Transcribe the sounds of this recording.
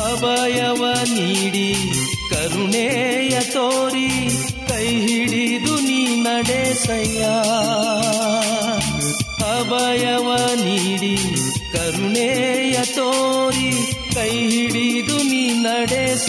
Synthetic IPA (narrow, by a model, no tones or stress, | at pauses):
ɐbɐjɐʋɐniɽikɐɾuɳeːjɐt̪oːɾi | kɐjɦiɽid̪uniːnɐɽeːsɐjaː | hɐbɐjɐʋɐniːɽikɐɾuɳeːjɐt̪oːɾikɐjɦiɽid̪uniːnɐɽeːs